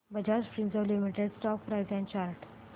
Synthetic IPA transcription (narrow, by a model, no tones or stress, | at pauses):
bəd͡ʑaɾspɾĩnzɔʋlimiʈeɖsʈɔk̚pɾajzɛ̃nt͡ɕaɾʈ